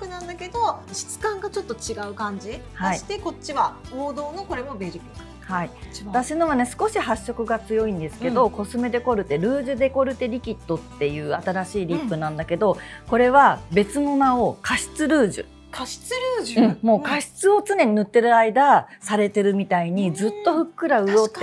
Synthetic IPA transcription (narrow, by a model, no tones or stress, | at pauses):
kɯ̟nãnd̪ake̞d̪o̞ɕi̥t͡sɨ̥kãŋɡat͡ɕo̞t̪ːo̞t͡ɕiɡaɯ̟kãɲ̟d͡ʑi | haiiɕi̥t̪e̞ko̞ɕiβaoːd̪o̞ːno̞ko̞ɾe̞mo̞beɾʲikia | hait̪aɕino̞βane̞sɨ̥ko̞ɕihaɕːo̞kɯ̟ɡat͡sɨjo̞ĩnd̪e̞sɨ̥ke̞d̪o̞ko̞sɨme̞d̪e̞ko̞ɾɯ̟t̪e̞ɾɯ̟ːʑɨd̪e̞ko̞ɾɯ̟t̪e̞ɾʲikʲit̪ːo̞t̪ːe̞jɯ̟ːat̪aɾaɕiːɾʲipːɯ̟nãnd̪ake̞d̪o̞ko̞ɾe̞βabe̞t͡sɨno̞nao̞kaɕi̥t͡sɨɾɯ̟ːʑɨ̰ | kaɕi̥t͡sɨɾɯːʑɯ̟̃ɴmo̞ːkaɕi̥t͡sɨo̞t͡sɨne̞ɲ̟inɯ̟t̪ːe̞ɾɯ̟aid̪asaɾe̞t̪e̞ɾɯ̟mʲit̪aiɲ̟izɨt̪ːo̞ɸɯ̟kːɯ̟ɾaɯ̟o̞t̪ː